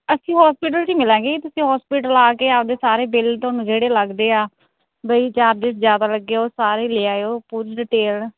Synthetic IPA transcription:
əsĩːɦɔːspiːʈ̬əlt͡ʃiːmɪlɛ̃ːɡeːkit̪ʊsĩːɦɔːspiːʈəlaːkeːaːpd̪eːsaːɾeːbɪlt̪oaːnũːd͡ʒeːɽeːləɡd̪eːaː | bəiːt͡ʃaːɾd̪ɪːszjaːd̪aːləɡːeːoːsaːɾeːleːaːeoːpuːɾɖɪʈeːl

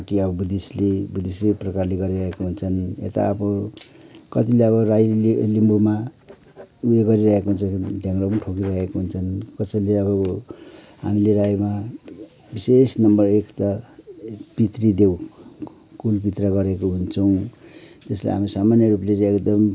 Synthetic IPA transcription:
ʈiʌbʌbud̪islebud̪isleprʌkarleɡʌɾiɾʌɦekoɦunt͡sʰʌnḛt̪a̰ʌbʌ | kʌt̪ileʌβʌrajlimbuma | ueɡʌɾiɾʌɦekoɦunt͡sʰʌkidʱjaŋrʌpʌnʈʰokiɾʌɦekoɦunt͡sʰʌnkʌsʌjleʌbʌ | ɦa̰mileɾajma | bisesnʌmbʌrekt̪a | pit̪rid̪ew | kulpit̪rʌɡʌɾekoɦunt͡sʰʌw̃t̪ʌslḛɦa̰misamanjʌɾuplet͡sãekd̪ʌm

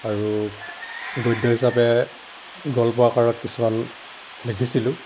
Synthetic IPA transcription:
aɹu | ɡɔjdʱɔhisapɛ | ɡɔlpɔakaɹɔt̚kisuman | lekʰisilʊ̃

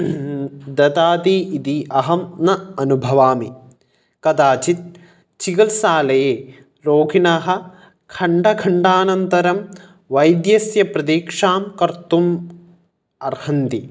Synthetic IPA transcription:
d̪ɐt̪aːt̪iit̪iʔɐɦɐmnɐɐnubʱɐʋaːmi | kɐd̪aːt͡ʃit̪̚ | t͡ʃikɐlsaːlɐjeː | ɾoːɡʱinaɦɐ̆ | kʰɐɳɖɐkʰɐɳɖaːnɐnt̪ɐɾɐm | ʋɐjd̪jɐsjɐpɾɐd̪iːkʂaːmkɐɾt̪um | ɐɾhɐnt̪i

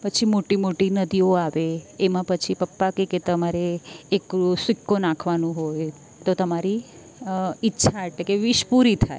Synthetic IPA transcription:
pət͡ʃʰimoʈimoʈinəd̪ioaʋeemãpət͡ʃʰipəpːakeket̪əmaɾeːksʋɪkːonãkʰʋanũɦoj | t̪ot̪əmaɾiː | tːʃʰaeʈlekeʋɪʃpuɾit̪ʰae

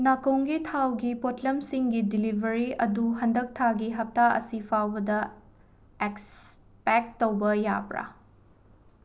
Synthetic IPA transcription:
nakowŋɡitʰawɡipotlɐmsiŋɡidilibʱɐɾiɐduɦɐndɐk̚tʰaɡiɦɐp̚taɐ̰sipʰawbɐdɐ | eks | pek̚towbɐja̰pɾa̰

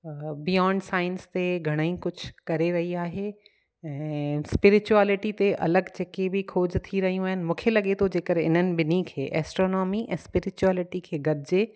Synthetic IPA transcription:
bijɔ̃ːɳɖsaːɪ̃nst̪eɡʱɐɽ̃əĩkʊd͡ʑʰkɐɾeɾɐɦiaːɦeː | ɛ̃ːspɪɾɪt͡ɕuɛːlɪʈit̪eʔɐ̰ləɡd͡ʑeːkebɪkʰoːd͡ʑt̪ʰiɾɐɦijũaːɦɪnɪ̆mũːkʰelɐɠet̪ʰod͡ʑeːkəɾɪ̰n̤ənɪ̆bɪnikʰḛːʔɛ̰ːsʈɾoːnɔːmiʔɛ̰̃ːspɪɾɪt͡ɕuɛːlɪʈikʰeːɡɐd̪ʱd͡ʑeː

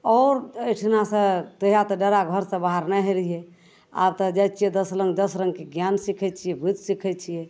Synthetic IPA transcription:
ɔːɾəjʈʰnasə̃t̪əɦijat̪ɔɖəɾaɡʱəɾsə̃baɦaɾnɛɦeɾijɛ | a̰bt̪ɔd͡ʒajt͡ʃʰijɛd̪əsɾəŋɡd̪əsɾəŋɡkeɡjansikʰɛt͡ʃʰijɛbid͡ʒ̪sikʰɛt͡ʃʰijɛ

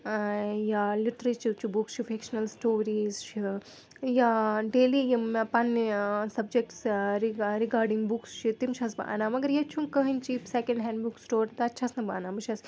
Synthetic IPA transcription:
jaːliʈɐɾet͡ʃuɾt͡ʃʰubukst͡ʃʰifekʃɐnɐlsʈoːɾiːzt͡ʃʰi | jaɖeːlijɐmpɐnsɐb̚d͡ʒek̚ʈsɾiɾikaːɾɖiŋɡbukst͡ʃʰit̪imʃʰasba̰ʔːnaːmɐɡɐɾjat͡ʃʰunkɐɦɐnʲt͡ʃisekɐ̃ɳɖɦɛ̃ːɳɖbuksʈoːɾt̪ɐːtːʃʰasnɐba̰ːnaːmɨʃʰas

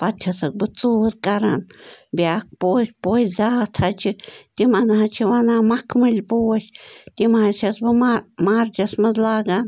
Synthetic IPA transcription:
pat͡ʃʰasak̚bɨt͡suɾkʼaɾanbjak̚pospoeszat̪ʰat͡ʃit̪imanaat͡ʃʰiβanamakʰmɨlʲpuʃt̪imaʃasbɨmaɾt͡ʃasmazlaɡan

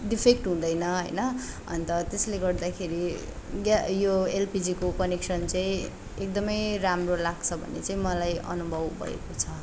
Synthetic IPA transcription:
ɖipʰek̚ʈɦũd̪ʌjnʌɦʌjnʌ | ʌ̰nt̪ʌt̪esleɡʌrd̪akʰeɾi | ɡajoelpid͡zikopʌniksʌnt͡saĩ | ek̚d̪ʌmʌjɾamrolaɡt͡sʰʌbʱʌ̰nḛt͡saĩmʌlajʔʌ̰nubʱʌbbʱʌ̰ḛkot͡sʰʌ

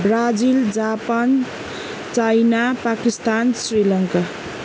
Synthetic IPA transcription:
brad͡zild͡zapan | t͡sajnapakist̪ansrilʌŋka

